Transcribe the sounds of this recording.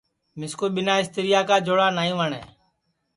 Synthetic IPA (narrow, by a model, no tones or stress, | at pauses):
mɪskoːɓɪnaːɪst̪ɪɾɪjaːkaːd͡ʒoːɽaːnaːĩːʋaːɳɛ̰ː